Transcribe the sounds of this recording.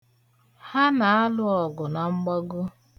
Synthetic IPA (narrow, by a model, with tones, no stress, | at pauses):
ha˦na˨a˦lʊ˦ɔ˨ɡʊ˨na˨ŋ͡m̩˦ɡ͡bɔ˦ɡʊ˦